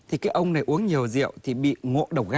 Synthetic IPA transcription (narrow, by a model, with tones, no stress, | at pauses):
t̪ʰi˨˩kaː˨˦jʔə˧wŋ͡mna˨˩jʔu˨˦əŋɲi˨˩əwzḭ˧˨əwt̪ʰi˨˩ɓḭ˧˨ŋo̰˧˨ɗə˨˩w̚ɣa˧